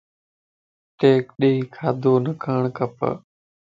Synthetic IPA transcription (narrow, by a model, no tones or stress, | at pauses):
ʈeːkɗeiːkʰaːd̪ʱoːnəkʰəɳ̃kəpə̰